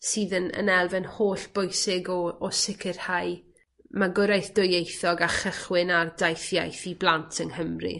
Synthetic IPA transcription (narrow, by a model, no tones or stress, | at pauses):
siːðənə̰nɛlˠvɛnhoːɬb̥ʊjsɪɡɔːsɪkʰɪrhaj | maɡʊɾajθd̥ʊjejθɔɡaχəχwɪnardajθjajθiblˠantʰənhəmrḭ